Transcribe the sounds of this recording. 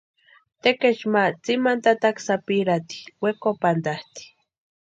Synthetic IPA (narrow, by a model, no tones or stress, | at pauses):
t̪eket͡ʃmat͡simant̪at̪aksapiɾat̪i̥wekopand̪aht̪i̥